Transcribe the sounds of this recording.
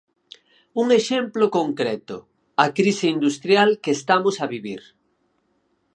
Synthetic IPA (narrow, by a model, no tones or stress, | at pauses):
uŋeʃemplokoŋkɾɛt̪ʊ̰ | ɐkɾisɪind̪ust̪ɾjalkeːst̪amʊsɐβiβiɾ